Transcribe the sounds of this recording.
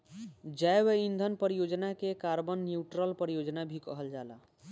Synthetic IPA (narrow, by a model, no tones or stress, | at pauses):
d͡ʒajʋəind̪ʱənpəɾijod͡ʒnakekaɾbənːjuʈɾəlpəɾijod͡ʒnabʱikəɦəld͡ʒala̰